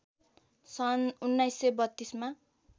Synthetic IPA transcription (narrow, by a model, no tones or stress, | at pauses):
sʌnunːajsːebʌt̪ːisma